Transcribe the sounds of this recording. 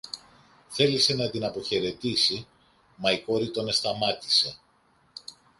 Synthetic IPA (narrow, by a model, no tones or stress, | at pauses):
θe̞lise̞nɐt̪inɐpo̞çe̞ɾe̞t̪isi | mɐiko̞ɾit̪o̞ne̞st̪ɐmɐt̪i̥se̞